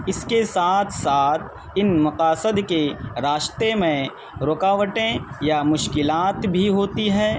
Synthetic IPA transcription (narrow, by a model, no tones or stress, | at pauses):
ɪskesaːt̪ʰsaːt̪ʰ | ɪnmɐqaːsəd̪keɾaːʃt̪emẽ | ɾoːkaːʋəʈẽjamʊʃkɪlaːt̪bʱiɦoːt̪iɦɛː